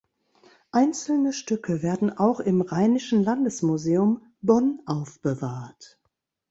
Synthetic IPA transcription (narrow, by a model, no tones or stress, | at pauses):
ʔaɪnt͡sl̩nəʃtʏkʰəveːɐdn̩ʔaʊxɪmʁaɪnɪʃn̩landəsmuzeːʊm | bɔnʔaʊfb̥əvaːɐt